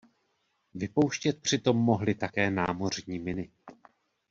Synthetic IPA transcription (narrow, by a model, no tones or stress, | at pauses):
vɪpo̞wʃcɛt̪̚pr̝̥ɪt̪o̞mːo̞ɦlɪt̪akɛːnaːmo̞r̝ɲiːmɪnɪ